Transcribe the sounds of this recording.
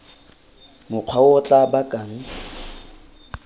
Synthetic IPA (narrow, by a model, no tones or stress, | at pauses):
mʊq͡χʰwaɔt͡ɬʼabakʼaŋ̩